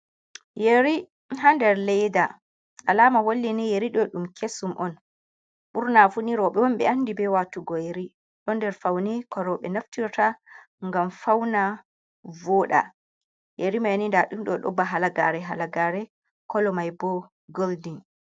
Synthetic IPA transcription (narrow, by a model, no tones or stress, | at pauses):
jeɾi | ɦandɛɾlɛjda | ʔalamawolːinɛjeɾiɗɔɗumkʰesumʔɔn | ɓuɾnafuniɾɔɓɛwɔmɓɛ̰anːdibɛwatuɡɔjeɾi | ɗɔndɛɾfawnɛkʰɔɾɔɓɛnaftiɾta | ŋɡamfawna | vɔɗa̰ | jʔeɾimajnindaɗumɗɔɗɔ̰baɦalaɡaɾɛɦalaɡaɾɛ | kɔlɔmajbɔ | ɡoldin